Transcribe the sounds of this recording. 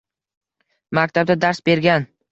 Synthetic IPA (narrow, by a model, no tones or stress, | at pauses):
mak̚ʲt̪ʰab̚d̪ad̪aɾsbe̞ɾɡʲan